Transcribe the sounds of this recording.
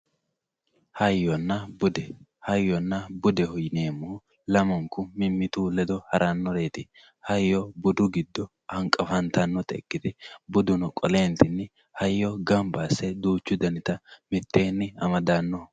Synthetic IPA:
hɐjːɔnːɐbʊd̪ɛhɐjːɔnːɐbʊd̪ɛhɔjne̞ːmːoː | lɐmɔŋkʊmɪmːɪt̪uːlɛd̪ɔhɐɾʔɐnːɔɾe̞ːt̪ɪ | hɐjːɔbʊd̪ʊɡɪd̪ːɔ | hɐŋkʼːɐfɐnt̪ɐnːɔt̪ɛ̰kːɪt̪ɪbʊd̪ʊnʊkʼɔle̞ːnt̪ɪnːɪ | hɐjːɔɡɐmbaːsːɛd̪uːt͡ʃːʊd̪ɐnɪt̪ɐmɪt̪ːe̞ːnːɪɐmɐd̪anːɔ

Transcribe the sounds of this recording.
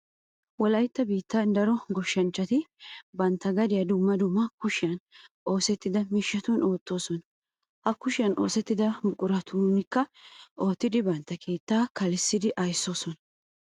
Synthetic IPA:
wɔlɐjt̪ːɐbiːt̪ːɐnd̪ɐɾɔɡɔʃːɐnt͡ʃːɐt̪ɪbɐnt̪ːɐɡɐd̪ɪjɐd̪ʊmːɐd̪ʊmːɐkʊʃɪjɐnʔo̞ːsɛt̪ːɪd̪ɐmiʃːɐt̪uno̞ːt̪ːo̞ːsɔnɐ | hɐkːʊʃɪjɐno̞̰ːsɛt̪ːɪd̪ɐmʊkʼʊɾɐt̪ʰunɪkːɐʔo̞ːt̪ːɪd̪ɪbɐnt̪ːɐkʰe̞ːt̪ːaːkɐlɪsːɪd̪ɪʔɐjsːo̞ːsɔnɐ

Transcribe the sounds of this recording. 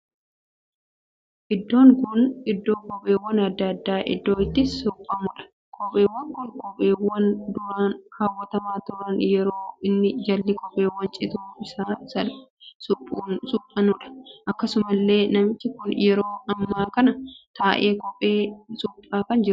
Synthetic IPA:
ʔɪd̪ːo̞ːŋkʊnɪd̪ːo̞ːkʼɔpʼe̞ːwːɐnɐd̪ːɐːd̪ːaːʔɪ̰d̪ːoːɪt̪ːɪsʊpʼːɐmʊᶑɐ̥ | kʼɔpʼːeːwːɐŋkɔlkʼɔpʼːeːwɐnd̪ʊɾaːnkaːwːɐt̪ɐmaːt̪ʊɾɐnjɛɾoːɪnːɪd͡ʒɐlːɪkʼɔpʼːeːwːɐnt͡ʃʼɪt̪ufɪsaːsɐlsʊpʼuːsʊpʼːɐnʊᶑɐ̥ʔɐkːɐsʊmɐlːe̞ːnɐmt̪ɪkʊnjɛɾoːʔɐmːaːkɐnɐt̪aːʔe̞ːkʼɔpʼeːsʊpʼːaːkɐnd͡ʒɪɾʊ

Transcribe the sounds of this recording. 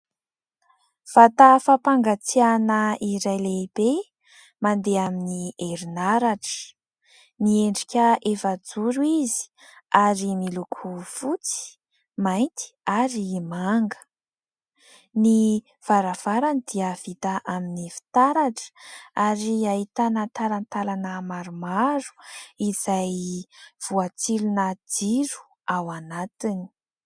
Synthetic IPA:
v̥at̪afapaŋɡat͡sianəiɾajleb̥e | mand̪eaminieɾinaɾaʈ͡ʂə̥ | nieɳɖ͡ʐikʲəʔefad͡zuɾuizi̥ | aɾimilukʰufut͡si̥ | majnt̪i̥aɾimaŋɡə̥ | ni | v̥aɾav̥aɾanid̪iəv̥it̪aʔaminifi̥t̪aɾaʈ͡ʂə̥aɾiait̪anant̪alant̪alanəmaɾumaɾu̥izajv̥uat͡silunad͡ziɾu̥ | awanat̪ini̥

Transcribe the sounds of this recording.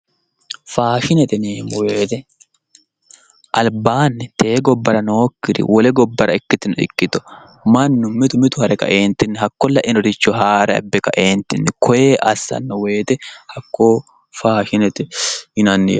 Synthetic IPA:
faːʃɪnɛt̪ɛneːmʊweːt̪ɛ | ʔɐlbaːnːɪt̪ʰe̞ːɡɔbːɐɾɐnoːkːɪɾɪ̰wɔlɛɡɔbːɐɾɐɪkːɪt̪ɪnɔɪ̰kːɪt̪ɔ̥ | mɐnːʊmɪt̪ʊmɪt̪ʊhɐɾɛkɐ̰ʔeːnt̪ɪnːɪɦɐkːɔlːɐʔɪnɔd̪ɪt͡ʃːɔɦaːɾɛɐ̰bːɛkɐʔeːnt̪ɪnːɪkʰɔjeːʔɐsːɐ̰nːɔweːt̪ɛhɐkːoː | faːʃɪnɛt̪ɛɪnɐnːɪj

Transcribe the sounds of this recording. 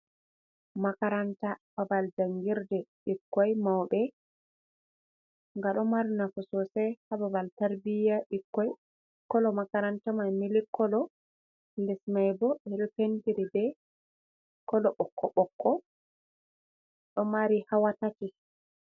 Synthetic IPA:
makaɾantababald͡ʒaŋɡiɾdɛɗikːɔjmawbɛ | ŋɡaɗɔmaɾinafɔsɔsɛhababaltaɾbijaʔikːɔj | kːɔlɔmakaɾantamajmilikːɔlɔ | ldɛsmajbɔbɛɗɔpentiɾibɛ | kɔlɔɓɔkːɔɓɔkːɔ | ɗɔmaɾihawatati

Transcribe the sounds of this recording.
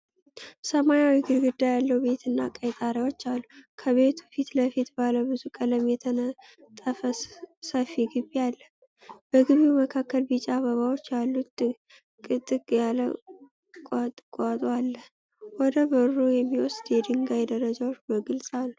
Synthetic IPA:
səmanawiɡɨɾɡɨd̪ːajalːəube̞t̪ʰɨnːa̰kʼəjt̪ʼaɾewo̞t͡ʃːalːukʰəβe̞t̪ʰufit̪ləfit̪baləwbɨzukʼələmjɛt̪ʰənə | t̪ʼəfəsəfiɡɨβialːə | b̥əɡɨβiwuməkʰakːəlbɨt͡ʃʼaaβəβawo̞t͡ʃːjalːut̪ | kʼɨt̪ʼɨkʼjalə | kʼat̪ʼɨkʼat̪ʼoalːə | wɔd̪əbəɾujɛmːiwɔsd̪jɛd̪ɨŋɡajd̪əɾəd͡ʒawot͡ʃːbəɡɨlsʼalːu

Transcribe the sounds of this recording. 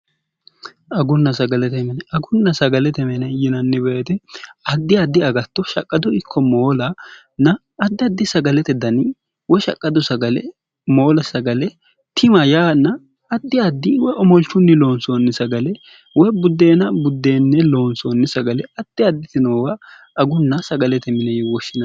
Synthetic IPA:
ɐɡʊnːɐsɐɡɐlɛt̪ɛmɛnɛɐɡʊnːɐsɐɡɐlɛt̪ɛmɛnɛjɪnɐnːɪbɛɛt̪ɛɐd̪ːɪɐd̪ːɪɐɡɐt̪ːɔʃɐkʼːɐd̪ɔɪkʰːɔmoːlɐ | nɐː | d̪ːɪɐd̪ːɪsɐɡɐlɛt̪ɛd̪ɐnɪ | wɔʃɐ̰kʼːɐd̪ɔsɐɡɐlɛ̰ | moːlɐsɐɡɐlɛ | t̪ʰɪmɐjaːnːɐː | d̪ːɪɐd̪ːɪwɔjʔɔmɔlt͡ʃːʊnːɪlo̞ːnsoːnːɪsɐɡɐlɛ | wɔjbʊd̪ːe̞ːnɐbʊd̪ːeːnːɛlo̞ːnsoːnːɪsɐɡɐlɛɐd̪̥ːɪɐd̪ːɪt̪ɪnoːwɐ | ɐɡʊnːɐsɐɡɐlɛt̪ɛmɪnɛjwɔʃːɪnɐ

